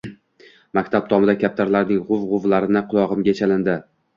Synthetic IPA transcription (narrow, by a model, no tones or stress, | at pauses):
makʲt̪ʰab̚t̪ʰɒmɪd̪akʲʰap̚t̪ʰaɾlaɾnɪŋʁʊvʁʊvlaɾɪnɪqʰʊlˠɒʁɨmɡʲat͡ʃʰalɪnd̪ɪ